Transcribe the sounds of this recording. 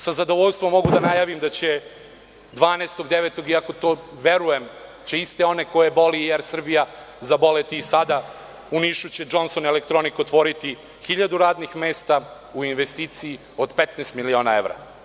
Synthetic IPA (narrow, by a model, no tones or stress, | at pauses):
sazad̪o̞ʋoʎʲst̪ʋo̞mːo̞ɡud̪anajaːʋimd̪at͡ɕe | d̪ʋaːnest̪o̞ɡd̪eʋet̪o̞ɡiako̞t̪oːʋe̞ɾujemt͡ɕeist̪e̞o̞neko̞jebo̞lijeɾsr̩bija | zabo̞let̪isad̪a | uniʃut͡ɕed͡ʒo̞nso̞nelekt̪ɾo̞nikot̪ʋo̞ɾit̪i | xiʎad̪uɾaːd̪nixmeːst̪a | uinʋest̪iːt̪sii | o̞d̪pet̪nest̪milio̞ːnae̞ʋɾa̰